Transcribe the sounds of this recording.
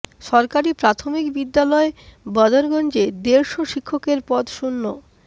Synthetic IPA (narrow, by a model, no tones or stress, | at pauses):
ʃɔɾkaɾipɾat̪ʰomikbid̪ːalɔebɔd̪oɾɡɔnd͡ʑed̪eɾʃoʃikʰːokeɾpɔd̪ʃunːo